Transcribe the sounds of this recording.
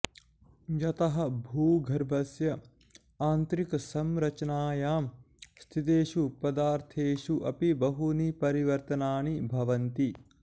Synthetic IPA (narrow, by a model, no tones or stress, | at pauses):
d͡ʒɐt̪ɐɦɐ̆bʱuːɡʱɐɾbʱɐsjɐ | aːnt̪ɾikɐsɐmɾɐt͡ʃɐnaːjaːm | st̪ʰit̪eːʃupɐd̪aːɾt̪ʰeːʃuʔɐpibɐɦunipɐɾiʋɐɾt̪ɐnaːɳibʱɐʋɐnt̪i